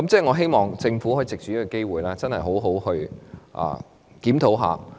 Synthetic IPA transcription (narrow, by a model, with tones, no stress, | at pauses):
kɐ˨˦mt͡sɛː˥˩ŋɔː˨˧ɦe˥jmɔː˨˩ŋt͡sɪ˧ŋfuː˨˥hɔː˨˥i˨t͡sɪ˨k̚t͡ʃy˨jiː˥kɔ˧ke˥jwuː˨jlaː˥t͡sɐ˥nhɐ˨˩jɦo˨˥wɦo˨˥whɵ˧ɥʔa̰ː˨ | kiː˨˥mt̪ʰo˨˥wɦa̰ː˨˧